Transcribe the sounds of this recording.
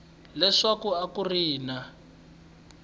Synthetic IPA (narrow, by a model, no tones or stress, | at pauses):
lɛʂakuakuriːna